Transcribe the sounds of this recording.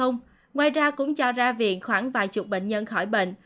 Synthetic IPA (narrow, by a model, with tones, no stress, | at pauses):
ə˧wŋ͡m | ŋwaː˨˩jzaː˧kʊ̰˧˥ŋ͡mt͡ɕɔ˧zaː˧vḭ˨˩ənxwaː˧˩ŋvaː˨˩jt͡ɕʊ˨˩k͡p̚ɓḛ˧˨ŋ̟ɲə˧nxɔ˧˩jɓḛ˧˨ŋ̟